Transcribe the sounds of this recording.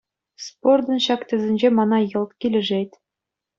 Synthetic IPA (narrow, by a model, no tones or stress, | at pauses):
spord̪ɤ̆nɕɑkt̪ʲɘ̆zʲɘ̆nʲd͡ʑemɑnɑjɤ̆lˠt̪kʲilʲɘ̆ʐet̪ʲ